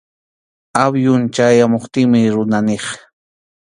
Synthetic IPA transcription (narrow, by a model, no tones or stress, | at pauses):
abjʊnt͡ʃajamoχt̪ɪŋmɪɾʊnaneχ